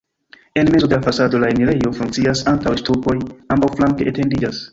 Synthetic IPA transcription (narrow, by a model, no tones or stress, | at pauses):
e̞nme̞zo̞d̪e̞lafasado̞laeniɾejo̞fuŋkt͡siasantawstuko̞jambawflaŋke̞ʔete̞ndid͡ʒas